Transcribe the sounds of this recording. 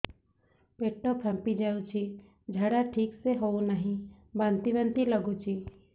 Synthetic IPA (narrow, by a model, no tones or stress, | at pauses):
peʈːopʰə̃mpid͡ʒaːut͡ʃʰi | d͡ʒʱəɽaʈʰiːkseɦounəɦĩbãnt̪ibə̃nt̪iləɡut͡ʃʰi